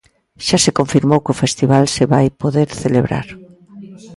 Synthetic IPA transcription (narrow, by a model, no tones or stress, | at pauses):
ʃasekoɱfiɾmowkɪʊfest̪iβalseβajpoðeɾθeleβɾa̰ɾ